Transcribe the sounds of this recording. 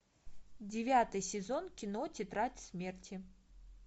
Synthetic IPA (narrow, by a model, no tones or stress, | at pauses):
d͡zʲɪvʲat̪ɨjsʲɪzonkʲɪnɔtʲɪt̪ɾatʲsʲmʲertʲɪ